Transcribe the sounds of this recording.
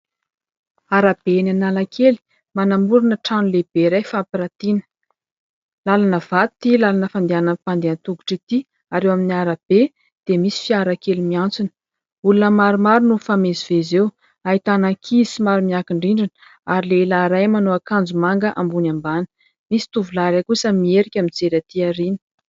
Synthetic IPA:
aɾab̥enanalakʰeli̥ | manamuɾanəʈ͡ʂanuleb̥eɾajfapiɾat̪inə̥ | lalanəv̥at̪u̥t̪ilalanəfand̪eanapand̪eant̪uɡu̥ʈ͡ʂit̪i | aɾewaminiaɾab̥e | d̪̥emisi̥fiaɾakelimiant͡sunə̥ | ulunəmaɾumaɾunufamezivezew | aɦit̪anakʰisimaɾumiakiɳɖ͡ʐiɳɖ͡ʐin | aɾilelaɾajmanoakand͡zumaŋɡəʔambunambanə̥ | misi̥t̪uvulaɾakusəmieɾikʲamid͡zeɾat̪iaɾini̥

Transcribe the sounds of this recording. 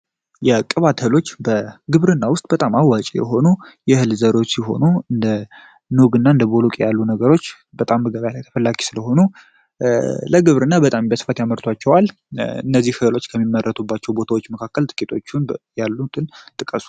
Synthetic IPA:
jɛkʼːəβat̪ʰəlo̞t͡ʃːbəɡɨβɾɨnːawʊst̪ʼbət̪ʼamawːat͡ʃʼijɛ̰ɦo̞nujɛhɨlzəɾot͡ʃːsiɦo̞̰nuɨnd̪ə | nuɡɨnːaɨnd̪əbo̞lokʼijalːunəɡəɾo̞t͡ʃː | bət̪ʼamːəɡəβjalajt̪ʰə̥fəlːaɡi̥sɨləɦo̞nu | ləɡɨβɾɨnːabət̪ʼambəsɨ̥fat̪jaməɾt̪ʰwat͡ʃːɛwal | ɨ̰nːəzːihɨlot͡ʃːkʰəmːimːərːʔət̪ʰubːat͡ʃːɛwbo̞t̪ʰawo̞t͡ʃːməkʰakːəlt̪ʼɨ̥kʼit̪ʰo̞t͡ʃːunjalːut̪ʰɨnt̪ʼɨkʼəsu̥

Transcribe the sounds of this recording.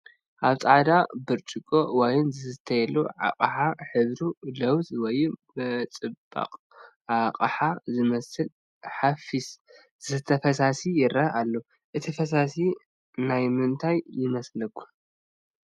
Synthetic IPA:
ʔaβt͡sʼaʕd̪abɨɾt͡ʃʼɨkʼo̞wɔjnzɨɨt̪ʰɐjɛluʕa̰kʼħaħɨzɾulɐwt̪wɔjmɐt͡sʼɨbʼa̰qʼ | ʕaqʼħazɨmɐsɨl | ħafis | zɨt̪ʰɐfɐsasijɪɾɐʔalːo | ʔɨt̪ʰifɐs̬asi | najmɨnt̪ʰajːɪmɐslɐkʰːu

